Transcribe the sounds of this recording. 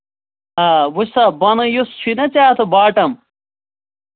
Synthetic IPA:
ɐwusɐbɐnɐjust͡ɕʰinɐt͡ɕaːt̪ʰɐbaːʈɐm

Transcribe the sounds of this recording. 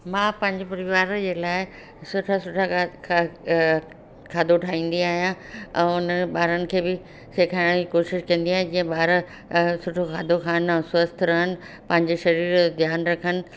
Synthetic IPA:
mãːpɐ̃ɦɪ̃ɲd͡ʑopɐɾɪʋaːɾd͡ʑeːlaːɪ | sʊʈʰasʊʈʰa | kʰaːd̪ʱoʈʰaːĩːn̆d̪iaːɦijã | ɛ̃ːʊnɓaːɾənɪ̆kʰeːbɪ | seːkʰaːɽ̃d͡ʑikoːʃɪʃkɐ̃nd̪iaːɦĩd͡ʑĩːə̃ɓaːɾ | sʊʈʰoxʰaːd̪ʱoxaːñswɐst̪ʰɾɐɦənɪ̆ | pɐ̃ɦɪ̃ɲd͡ʑeʃɐɾiːɾd̪ʱjaːnɾɐkʰənɪ̆

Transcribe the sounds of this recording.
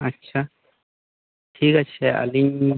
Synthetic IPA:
ɐtːɕʰa | ʈʰiːkɐt͡ʃʰeʔɐ̰liɲ

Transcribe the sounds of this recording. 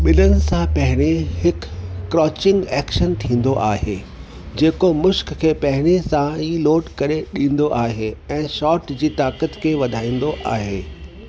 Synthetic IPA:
ɓɪlənɪ̆sãpɐɦɪɽ̃ehɪkːɾɔːt͡ɕɪ̃ŋɡɛːkʃənt̪ʰĩːn̆d̪oʔaːɦeː | d͡ʑeːkomʊʃkkʰeːpɐɦɪɽ̃esãiːloːʈkɐɾeɗĩːn̆d̪oʔaːɦeɛ̃ːʃɔːɾʈd͡ʑiːt̪aːkət̪kʰeːʋɐd̪ʱaːĩːn̆d̪oʔa̰ːɦeː

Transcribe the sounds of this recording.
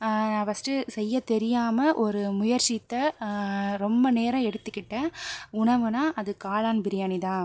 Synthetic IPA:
nãːpɐsʈɯsɛjːɐt̪ɛɾɪjaːmɐʔɔɾɯmʊjɐɾt͡ʃit̪ːɐ | ɾɔmbɐneːɾɐ̃ɛɽɯt̪ːɯkːɪʈːẽːʊɳɐʋɯnaːʔɐðɯkaːlaːnbɪɾɪjaːniðãː

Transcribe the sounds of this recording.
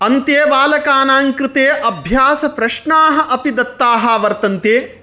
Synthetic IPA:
ɐnt̪jeːbaːlɐkaːnaːŋkɾɪt̪eːʔɐbʱjaːsɐpɾɐʃɳaːɦɐʔɐpid̪ɐt̪ːaːɦɐʋɐɾt̪ɐnt̪eː

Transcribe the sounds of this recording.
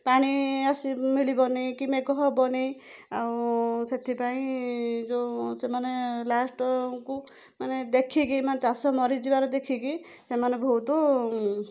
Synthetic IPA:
paɽ̃iasimilibɔnikimekɔɦɔbɔni | awset̪ʰipaĩd͡ʒosemanelasʈku | maned̪ekʰikimanet̪asɔmɔɾid͡ʒibaɾɔd̪ekʰiki | semanebʱot̪u

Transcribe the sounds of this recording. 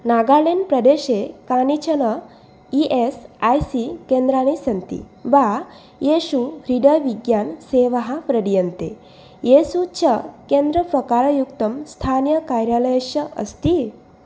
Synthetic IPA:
naɡalenpɾɐd̪eɕekanit͡ɕʰɐnə | iʔesajsikẽnd̪ɾañisɐnt̪ḭ | ba | jeɕuɾiɖəʋiɡjanseʋəɦapɾəɽijənt̪e | jesut͡ɕʰəkend̪ɾəpɾɐkaɾɐjukt̪əmst̪ʰanjəkajɾjaləjɕəʔə̰st̪i

